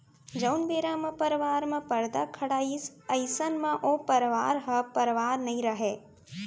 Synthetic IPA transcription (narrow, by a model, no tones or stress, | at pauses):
d͡ʒɐwnbeːɾaːmɐpəɾʋaːɾmɐ̃pɐɾd̪akʰɐɽaːisɐɪsənmɐ̃ʔoːpɐɾʋaːɾɦɐpɐɾʋaːɾnɐɦĩɾɐɦeː